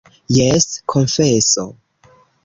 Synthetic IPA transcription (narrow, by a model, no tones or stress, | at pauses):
jɛskʰõnfeso̰